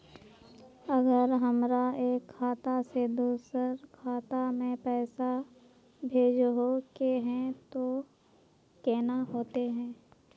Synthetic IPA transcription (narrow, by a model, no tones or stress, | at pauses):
ɐɡəɾɦəmɾaeːkʰːaːt̪ased̪uːsəɾkʰaːt̪amẽpɛːsa | bʱeːd͡ʒɦokeɦɛ̃t̪o | keːnaɦoːt̪eɦɛ̃ː